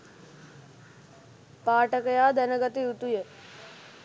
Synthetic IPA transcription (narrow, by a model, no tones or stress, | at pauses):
paːʈəkəjaːd̪ɛnəɡət̪iut̪uje